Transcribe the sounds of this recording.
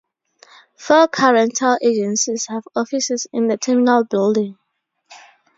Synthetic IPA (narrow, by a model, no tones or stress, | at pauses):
fəkʰaɹɛ̃ntʰalʔed͡ʒɛ̃nsiz̥havɔfisɪzɪ̃nðətʰiminalbɪldɪ̃ŋ